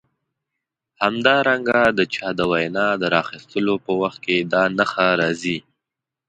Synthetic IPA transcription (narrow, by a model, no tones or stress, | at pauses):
hamd̪ɑɾaŋɡad̪ət͡ʃɑd̪əwajnɑd̪əɾɑxist̪əlopəwaxt̪̚ked̪ɑnəxaɾɑzi